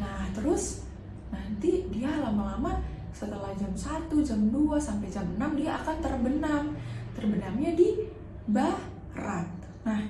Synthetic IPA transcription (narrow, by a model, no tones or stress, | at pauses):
naht̪əɾʊs | nant̪idialamalama | sət̪əlahd͡ʒamsat̪ud͡ʒamduasampajd͡ʒamənamdiaːkant̪ərbənamt̪ərbənamɲadi | bah | ɾat̪̚ | nah